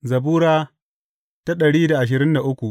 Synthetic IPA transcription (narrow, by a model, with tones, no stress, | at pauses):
zɐ˨buː˦ɾaː˦ | ta˦ɗɐ˨ɽiː˦da˨ʔa˨ʃ̬ɪ˨ɾɪ˦nda˨ʔʊ˦kʷu˨ʔ